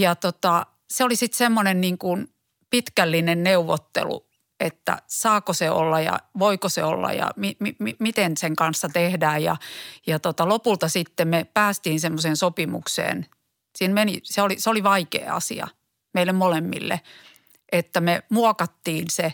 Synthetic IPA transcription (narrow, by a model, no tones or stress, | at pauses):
jɑt̪ot̪ɑ | seolisit̪semːonenniːŋkun | pit̪kælːinenneuʋːot̪ːḛlṵ | et̪ːæ̰sɑːkoseo̰lːɑjɑ̰ʋoikosḛo̰lːɑ̰jɑ̰mimimimit̪enseŋkɑnsːɑt̪ehdæːjjɑ̰jɑt̪ot̪ɑlopult̪ɑsit̪ːemmepæːst̪iːnsemːoseːnsopimṵksḛːn | siːnmeniseoliseoliʋɑikḛːɑ̰sḭɑ̰ | meilːemmolemːḭlːḛ | ʔet̪ːæmemuɔkɑt̪ːiːnse